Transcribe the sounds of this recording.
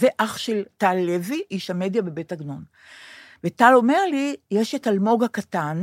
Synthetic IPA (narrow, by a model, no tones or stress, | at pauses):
zeʔaχʃe̞ltalːe̞viʔiʃhame̞djabe̞be̞taɡnon | vetalo̞meʁlijeʃetalmo̞ɡakatan